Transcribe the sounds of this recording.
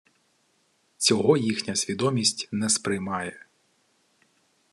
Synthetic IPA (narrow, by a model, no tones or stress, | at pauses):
t͡sʲɔɦɔjixnʲɐsʲʋʲid̪ɔmʲisʲtʲnɛspɾɪjmɑjɛ